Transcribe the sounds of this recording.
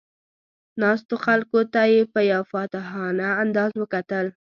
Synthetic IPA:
nɑst̪oxalkot̪ajepəjawfɑt̪ɪhɑnaːnd̪ɑzwəkat̪əl

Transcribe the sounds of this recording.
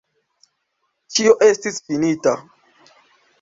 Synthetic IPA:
t͡ʃioʔe̞stisfinita

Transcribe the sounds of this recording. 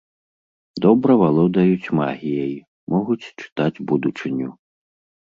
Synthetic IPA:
d̪ɔbɾɐvalˠɔd̪ajut͡sʲma̰ɣʲijɐj | mʔɔɣut͡sʲt͡ʂɨ̥t̪ad͡zʲbud̪ut͡ʂɨnʲːu

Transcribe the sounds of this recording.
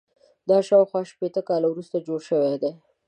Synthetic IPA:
d̪ɑʃɑwxwɑʃpet̪əkɑlawɾust̪ad͡ʒoɽʃəwed̪e

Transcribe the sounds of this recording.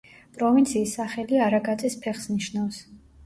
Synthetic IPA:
pʼɾɔvint̪sʰiːsːaχɛliaɾaɡat̪sʼɛspʰɛχsniʃnafs

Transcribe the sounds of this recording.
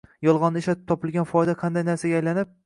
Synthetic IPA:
jɒlˠʁɒnːɪʃlat̪ɪ̥p̚t̪ʰɒpɪlˠɡʲanfɒjd̪aqʰɑnd̪ajnaɾsaɡʲajlanɪp̚

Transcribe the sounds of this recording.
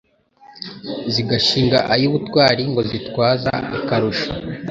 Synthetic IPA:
ziɡaʃiːŋɡaʔajuːβutwaːɾiŋɡo̞zitwaːza̰ːkaɾuʃa

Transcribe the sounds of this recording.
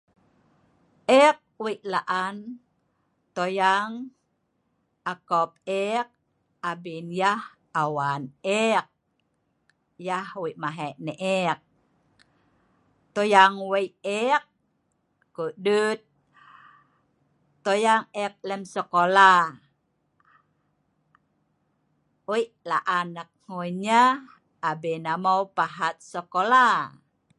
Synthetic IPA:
ʔɛk̚wiʔlaʔan | t̪ojaŋ | akɔp̚ɛk̚ | abinjah | awanɛk̚ | jahwiʔmaɦɛʔnɛʔɛk̚ | t̪ojaŋwejɛk̚ː | udut̪̚ | ojaŋɛk̚lɛmsəkola | ojʔlaʔanak̚ŋoɲaː | bɛnamawpaɦat̪̚səkola

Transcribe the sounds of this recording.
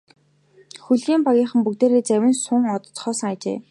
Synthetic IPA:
xuɮɣiːmpaɣʲiːχə̆mpukt̪eːɾeːt͡sæwʲɪ̆nsʊŋɔt̪ɞ̆t͡sχɔːsə̆ŋajt͡ɕḛː

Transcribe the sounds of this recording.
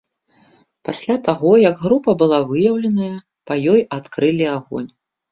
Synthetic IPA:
pasʲlʲat̪aɣɔjɐɡɣɾupɐbɨlˠavɨjɐwlʲɐnɐjɐ | pɐjɔjat̪kɾɨlʲiaɣɔ̰nʲ

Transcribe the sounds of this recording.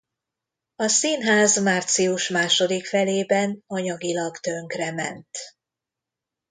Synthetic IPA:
ɒsiːnɦaːzmaːrt̪siuʃmaːʃo̞d̪ikfɛleːbɛnɒɲɒɡilɒɡt̪ø̞ŋkrɛmɛ̰nt̪

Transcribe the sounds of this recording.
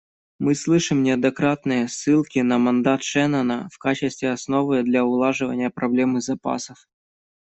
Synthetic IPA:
mɨslˠɨʂɨmnʲɪɐd̪ɐkɾat̪nɨjəsːɨlˠkʲɪnɐmɐnd̪at̪ʂɛnənəfkat͡ɕɪst̪vʲɪɐsno̞vɨd̪lʲɐʊlˠaʐɨvə̰nʲɪjəpɾɐblʲemɨzɐpa̰səf

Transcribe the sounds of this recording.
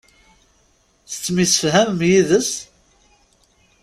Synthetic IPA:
θə̥t͡sːmisə̥fɦæmmjiðəs

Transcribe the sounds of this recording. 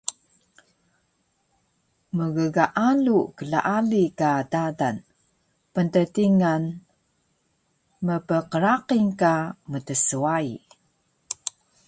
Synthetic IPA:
məɣəɡaʔalukəla̰ʔalikadadan | pəntətiŋan | məpəqəɾaqiŋkamətəsuaḭ

